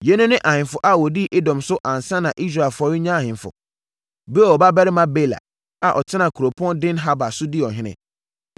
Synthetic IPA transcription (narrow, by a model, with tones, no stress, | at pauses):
jɛ˦nʊ̃˦nɪ̃˦ʔa˨hɪ̃˨nfʊ˨ʔa˨wɔ˨di˦ʔɪ˦dɔ̃˨msʊ˦ʔã˨n̩˨sã˦nã˨ʔi˦s̬ɾa˨ɛ˨lfɔ˦ɾɪ˦ɲã˦a˨hɪ̃˨fʊ̰˨ | be˦˨ɔ˨ba˦bæ˦ɾɪ˦mã˦be˦˨la̰˨ | a˨ʔɔ˨tʰɪ˦nã˨kʰu˨ɾo˨pʰʊ˦ɔ̃˦ndɪ̃˦nɦa˦ba˨sʊ˦dɪ˦ɔ˨ɦɪ̃˦nɪ̰̃˨